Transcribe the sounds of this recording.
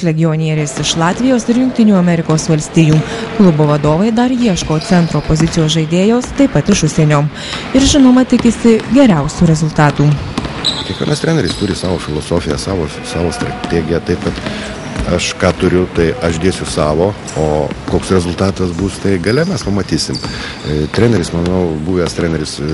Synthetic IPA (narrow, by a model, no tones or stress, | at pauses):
lʲɛɡʲɪɔnʲiɛɾʲeɪsɪʃlˠɑːt̪ʲʋʲɪjoːsɪɾjʊŋk̚t̪ʲɪnʲuːɐmʲɛɾʲɪkoːsʋɐlʲsʲt̪ʲiːjuːklˠʊboːʋɐd̪oːʋɐɪd̪ɐɾjiɛʃkoːt̪sʲɛnt̪ɾoːpozʲɪt̪sʲɪjoːs̬ʒɐɪd̪ʲeːjoːst̪ɐɪpːɐt̪ɪʃʊʃʲsʲɛnʲoː | ɪɾʒʲɪnoːmɐt̪ʲɪkʲɪsʲɪɡʲɛɾʲɛʊsʲuːɾʲɛzʊlˠt̪ɑːt̪uː | kʲieɛkʋʲiɛ̰nɐst̪ʲɾʲæːnʲɛɾʲɪst̪ʊɾʲɪsɑːʋoːfʲɪlˠoːsoːfʲɪjɛsɑːʋoː | sɑːʋoːst̪ɾɐt̪ʲeːɡʲɪjɛt̪ɐɪpkɐt̪ | ɐʃkɑːt̪ʊɾʲʊt̪ɐɪʔɐʃʒʲd̪ʲeːsʲʊsɑːʋoː | oːkoːksɾʲɛzʊlʲˠt̪ɑːt̪ɐsbuːst̪ɐɪɡɐlʲɛmʲɛspɐmɐt̪ʲiːsʲɪm | t̪ʲɾʲæːnʲɛɾʲɪsmɐnɐʊbuːʋʲɛst̪ʲɾʲæːnʲɛɾʲɪs